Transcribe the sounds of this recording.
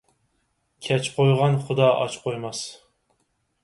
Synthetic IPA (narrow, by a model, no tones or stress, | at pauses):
kʲʰɛt͡ʃqʰojʁɑnχʊd̪ɑʔɑ̰t͡ʃqʰojmɑs